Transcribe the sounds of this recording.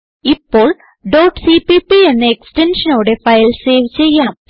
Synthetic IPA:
ipːo̞ːɭ | ɖoːʈsipipie̞nːɨekstenʂɐnoːɽe̞fɐjlse̞ːʋt͡ɕːe̞jːaːm

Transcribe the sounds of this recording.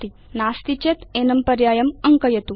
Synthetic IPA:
t̪i | naːst̪it͡ɕet̪enɐmpɐɾjaːjɐmɐŋkəjɐt̪u

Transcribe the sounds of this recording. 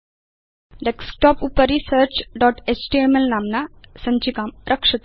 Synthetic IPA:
ɖeksʈɔːpupəɾisəːɾt͡ʃɖɔːʈet͡ʃʈiemelnaːmnasɐ̃ɲt͡ʃikaːmɾʔɐkʂɐt̪

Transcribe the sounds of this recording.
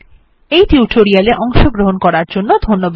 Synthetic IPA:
ejtiuʈʰoɾialeʔɔŋʃoɡɾoɦonkɔɾaɾd͡ʒonːod̪ʱonːob

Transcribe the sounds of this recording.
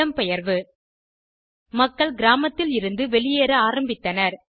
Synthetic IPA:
ɐmpɛjɐɾʋɯ | mɐkːɐɭɡɪɾaːmɐt̪ːɪlɪɾɯnd̪ɯʋɛɭɪjeːɾɐaːɾɐmbɪt̪ːɐnɐɾ

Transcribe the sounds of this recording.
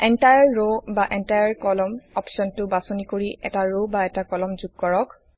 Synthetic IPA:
ɛntajaɹɹobaʔɛntajaɹkɔlɔmɔpsɔntʊbasɔnikoɹiʔɛ̰taɹobaɛtakɔlɔmzuɡ̚kɔɹɔk

